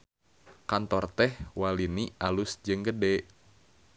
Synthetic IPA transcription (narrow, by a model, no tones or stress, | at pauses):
kant̪ɔrt̪ɛhwalinialusd͡ʒɨŋɡədɛ